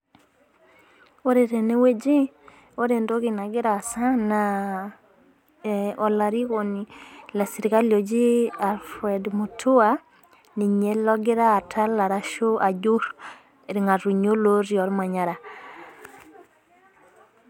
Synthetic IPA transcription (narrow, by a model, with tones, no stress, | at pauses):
o˦ɾe˨ɾe˨ne˦we˦d͡ʒi˦ | o˦ɾe˨ndo˦ki˨na˨ɡɪ˦ɾaː˨sa˦na˨ | ɔ˨la˨ɾi˦ko˨ni˨la˨si˨ɾi˨ka˦ljo˨d͡ʒi˦a˨lfɾɛ˨dmu˨tʰu˦a˦ | ni˨ɲe˦lɔ˦ɡɪ˦ɾaː˦˨tʰa˦la˨ɾa˦ʃo˦a˨d͡ʒu˦ɾ | e˨ɾi˨ŋa˨ɾu˨ɲo˦lo˦ɾjɔ˨ɾma˨ɲa˨ɾa˨